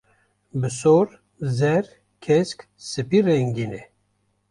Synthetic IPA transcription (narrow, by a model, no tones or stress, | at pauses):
bɨsoɾ | zɛɾ | kʰɛsk | sɨpirɛŋɡinɛ